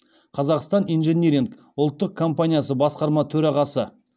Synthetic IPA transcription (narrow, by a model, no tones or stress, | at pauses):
qʰɑzɑqst̪ɑnijnʒenʲeɾʲiŋk | ʊlˠt̪ːəq̚kʰo̞mpanʲijasəbɑsqɑɾmɑt̪ʰɵɾɑʁɑsə